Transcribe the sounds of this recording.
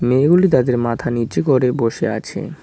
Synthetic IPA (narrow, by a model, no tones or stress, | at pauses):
meɡulit̪ad̪eɾmat̪ʰaniɾt͡ɕekoɾeboʃḛat͡ɕʰḛ